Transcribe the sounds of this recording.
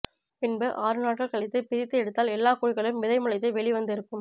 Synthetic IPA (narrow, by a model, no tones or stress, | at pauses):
pɪnbɯʔaːɾɯnaːʈ̚kɐɭkɐɭɪt̪ːɐpɪɾɪt̪ːɯɛɽɯt̪ːaːlɛlːaːkuːɻɪɣɐɭmʋɪðɐɪmʊɭɐɪt̪ːɐɪʋɛɭiʋɐnd̪ɪɾɯkːɯm